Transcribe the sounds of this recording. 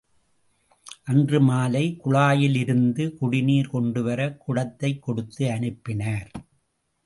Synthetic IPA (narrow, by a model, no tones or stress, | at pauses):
ʔɐndrɯmaːlɐɪkʊɭaːjɪlɪɾɯnd̪ɯkʊɽɪniːɾkɔɳɖɯʋɐɾɐkʊɽɐt̪ːɐɪkːɔɽɯt̪ːɯɐɳɯpːɪnɐːɾ